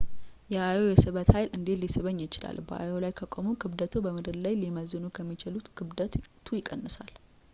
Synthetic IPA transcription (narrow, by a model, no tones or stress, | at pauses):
jɛʔajo̞jɛsɨβət̪hajlʔɨnd̪e̞t̪lisɨβəɲːɪt͡ʃɪla̰lbə̰ʔa̰jolajkʰəkʼomukɨβd̪ət̪ʰubəmɨd̪ɨɾlajliməzɨnukʰəmːit͡ʃɪlut̪ɡɨβd̪ət̪t̪ʰujɪkʼənːɨsal